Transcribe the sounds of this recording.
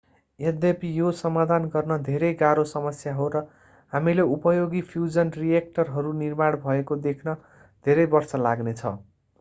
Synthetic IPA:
ed̪epijosʌmad̪ʱanɡʌrnʌd̪ʱeɾʌjɡaɾosʌmʌsjaɦoɾʌ | hamileupʌjoɡipʰjud͡zʌnrijek̚ʈʌrɦʌɾunirmaɽbʱʌekod̪ekʰnʌ | d̪ʱeɾʌjbʌrsʌla̰ɡnet͡sʰʌ̰

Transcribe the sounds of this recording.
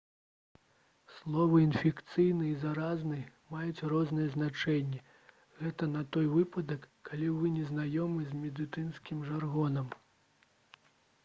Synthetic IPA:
slˠɔvɨinfʲɛkt̪sɨjnɨizaɾaznɨmajut͡sʲrɔznɐjɛznat͡ʂɛnʲːɛ | ɣɛt̪ɐnɐt̪ɔjvɨpɐd̪ɐkːalʲivɨnʲɛznajɔmɨzʲmʲɛd̪ɨt̪ɨnskʲimʐarɣɔnɐm

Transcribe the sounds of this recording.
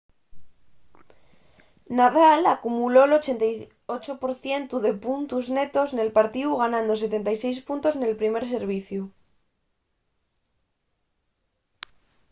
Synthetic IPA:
naðalakumulo̞lo̞t͡ʃe̞nt̪aj | ot͡ʃopo̞ɾθje̞nt̪uðe̞punt̪uzne̞t̪o̞zne̞lpaɾt̪iuɣanãnd̪o̞se̞t̪e̞nt̪ajsejspunt̪o̞zne̞lpɾime̞ɾse̞ɾβ̞iθju

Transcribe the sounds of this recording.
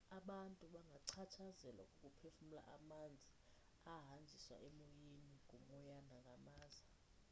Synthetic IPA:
aɓantʼuɓaŋɡʱaǀʰatʰazɛla̰kʼukʼupʰefum̩la̰ʔamand͡zʱi | aɦand͡zʱiswa̰ʔɛmojeniŋʱuŋɔjandʱaŋɡʱamaːza

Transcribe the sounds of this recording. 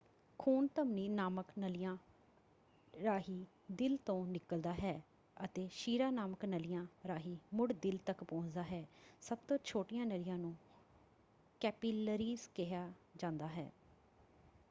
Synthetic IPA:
kʰuːnt̪əmniːnaːməknəlɪjãː | ɾaːɦiː | d̪ɪlt̪õːnɪkəld̪aːɦɛː | ət̪eːʃiːɾaːnaːməknəlɪjãːɾaːɦiːmʊɽd̪ɪlt̪əkpɔ̃ːd͡ʒd̪aːɦɛːsəb̚t̪õːt͡ʃʰoːʈɪjãːnəlɪjãːnũː | kɛːpiːləɾiːzkɪɦjaːd͡ʒãːnd̪aːɦɛ̰ː

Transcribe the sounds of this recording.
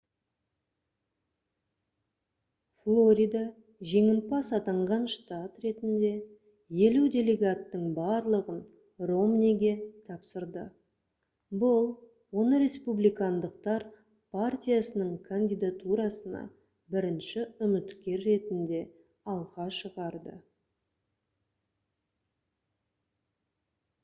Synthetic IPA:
flˠoɾʲijd̪a | ʒe̞ŋɪn̚pɑsɑt̪ɑɴʁɑnʃt̪at̪re̞t̪ɪnd̪e̞ | je̞luwd̪ʲe̞le̞ɡat̪ːəɴbɑɾlˠəʁən | ro̞mnʲiɡʲe̞t̪ʰɑpsəɾd̪ə | bʊlˠ | wo̞nəɾe̞spublijkand̪əq̚t̪ɑɾ | pʰart̪ʲijasənəɴkʰanʲd̪ʲijd̪at̪uɾɑsənɑ̰ | bɪɾɪnʃɪʏmɪt̪kʲe̞ɾːe̞t̪ɪnd̪e̞ | ɑlˠʁɑʃəʁɑɾd̪ə̰

